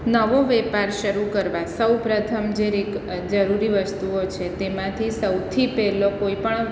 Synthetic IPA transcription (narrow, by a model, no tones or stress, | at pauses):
nəʋoʋɛpaɾʃəɾukəɾʋasəwpɾət̪ʰəmd͡ʒeɾek | d͡ʒəɾuɾiʋəst̪uot͡ʃʰet̪emãt̪ʰisəwt̪ʰipɛɦlokoipəɳ